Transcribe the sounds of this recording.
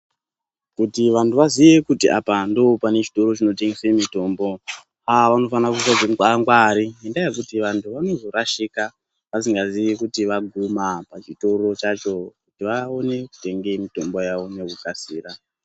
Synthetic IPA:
kutiʋantʰuʋaziʋe̞kutiʔa̰pando̞ːpane̞t͡ʃi̥to̞ɾo̞t͡ʃino̞teŋɡesemito̞mbo̞ | aʋano̞fanakusad͡zeŋkaŋɡwaɾiindajekutiʋantʰuʋano̞zo̞raʃika | ʋasiŋɡaziʋikutiʋaɡʱumapat͡ʃito̞ro̞t͡ʃat͡ʃo̞kutiʋao̞ne̞ku̥te̞ŋɡemito̞mbo̞jaʋo̞ne̞kukasiːra

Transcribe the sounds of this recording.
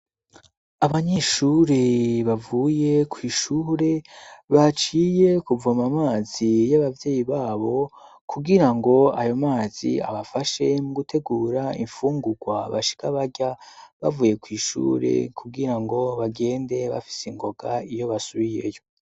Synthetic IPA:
aβaɲeːʃuːɾeβavuːje̞kwiːʃuɾe̞βat͡ʃiːjekuvamamaːzijaβavje̞ːjiβaːβo̞ | kʰuɡiɾaŋɡo̞ajo̞maːzḭa̰βafaʃe̞muɡutʰe̞ɡuːɾaḭɱfuːŋɡuɡwaβa̰ʃi̥kaβaɟaβavuːje̞kwiːʃṵːɾe̞̰kʰuɡiɾaŋɡo̞βaɡe̞ːnde̞βa̰fi̥seŋɡo̞ɡaijo̞βasuβije̞̰jo̞

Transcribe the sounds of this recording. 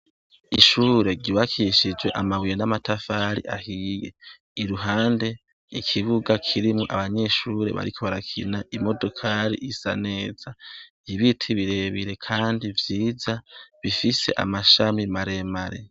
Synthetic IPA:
iʃuːɾe̞ɾɟiβakʰiʃid͡ʒwe̞ʔa̰maβwijenamatʰafaɾḭʔa̰hije̞̰ | iɾuɦaːnde̞ | ikʰiβuɡakʰiɾimŋoʔa̰βaɲe̞ʃuːɾe̞̰βa̰ɾikʰo̞βaɾakʰḭnaimo̞do̞kʰaɾḭʔisa̰ne̞ːz̥a | iβitʰiβiɾe̞βiɾe̞kʰaːndivjiːzaβifise̞̰ʔa̰maʃamimaɾe̞maɾe̞̰

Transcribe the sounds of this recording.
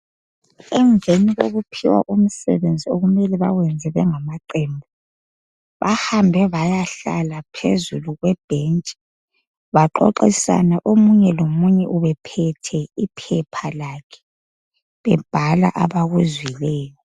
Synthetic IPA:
ɛŋvʱeniɣoɣupʰiwa̰ʔum̩sɛ̰βend͡zʱioɣumɛlɛβa̰ɣwɛnd͡zʱɛβɛŋamaǃɛmbʱɔ | βahambʱɛβajaɬa̰lapʰḛzuluɣwɛb̥ʱent͡ʃʼi̥ | βaǃo̰ǃisa̰naʔomuɲɛlomuɲɛʔuβɛpʰɛtʰɛipʰɛpʰalakʰɛ̥ | βɛb̥ʱala̰ʔaβaɣuzwilɛːjɔ

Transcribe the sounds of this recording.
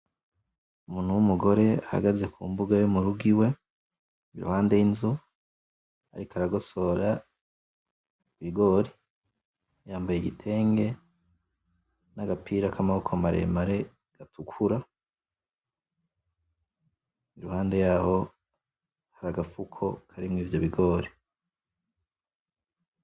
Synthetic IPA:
umuːn̥huwumuɡo̞ɾe̞aha̰ɡaze̞kʰṵmbuɡajomuɾuɡiwe̞ | iɾṵhaːnde̞jinzu | a̰ɾikaɾaɡo̞so̞ɾa | iβiɡo̞ɾi | jaːmbajeɡitʰe̞ːŋɡe̞ | naɡapiːɾakamahukʰomaɾe̞̰maɾe̞ | ɡ̥atʰukʰuɾa | iɾuhaːnde̞jaho̞ | haɾaɡafukʰo̞kʰaɾimŋiːvjo̞βiɡo̞ːɾi

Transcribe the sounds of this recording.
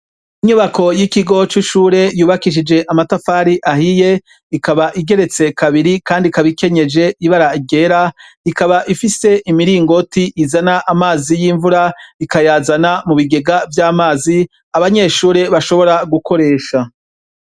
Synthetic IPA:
iɲuβako̞jikiɡo̞t͡ʃiʃuːɾe̞juːβakiʃ̬id͡ʒe̞ʔamatafaːɾiʔahije̞ | ikaβaʔiɡe̞ɾe̞t͡se̞kaβiɾikaːndikaβike̞ɲe̞d͡ʒe̞iβaɾaiɡe̞ːɾa | ikaβaʔifise̞ʔimiɾiːŋɡo̞tiʔizanaʔamaːzijiːɱvuɾaikajaːzanamuβiɡe̞ɡavjaːmaːzi | aβaɲe̞ʃuːɾe̞βaʃo̞βo̞ɾaɡukʰo̞ɾe̞ːʃa

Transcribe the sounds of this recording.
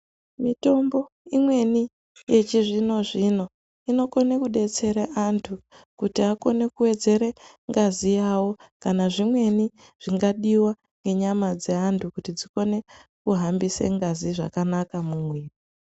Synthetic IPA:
mito̞mbo̞ | imwe̞ni | je̞t͡ʃiʐino̞ʐino̞ | ino̞ko̞ne̞kuɗe̞t͡se̞ɾeʔantʰu | kutiako̞ne̞kuwe̞d͡ze̞ɾe | ŋɡazijawo̞kanaʐimwe̞ni | ʐ̥iŋɡaɗiwa | ŋɡe̞ɲamad͡ze̞antʰukutid͡ziko̞ne̞kuɦambisḛŋɡaziʐa̰kanakamumwiːri

